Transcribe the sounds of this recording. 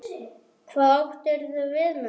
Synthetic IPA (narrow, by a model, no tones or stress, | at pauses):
kʰvaːðawht̪ɛɾ̥θʏvɪðma